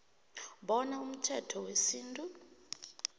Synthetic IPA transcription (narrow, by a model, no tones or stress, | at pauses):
ɓɔnaum̩tʰɛtʰɔwesiːntʼu